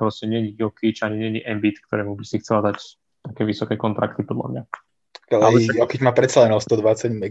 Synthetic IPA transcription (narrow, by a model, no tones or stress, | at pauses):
lascɛɲɪɛɲiɡɔkit͡ʃaɲiɲɪɛɲiʔɛmbit̪kt̪ɔɾɛːmubisixt͡sɛlad̪ac | t̪akɛːʋisɔkɛkɔnt̪ɾa̰kt̪ipɔd̪la̰mɲa | alaɔkid͡ʒmaːpɾɛt̪t͡salɛnɔst̪ɔd̪ʋat͡saɟmɛ